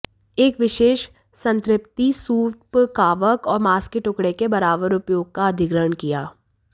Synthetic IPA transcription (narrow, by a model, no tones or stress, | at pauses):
eːkʋɪʃeːʃ | sɐ̃nt̪ɾɪp̚t̪isuːpkaːʋəkɔːɾmaːskeʈʊkɽekebɐɾaːbəɾʊpjoːɡ̚kaɐd̪ʱɪɡɾəɳkijaː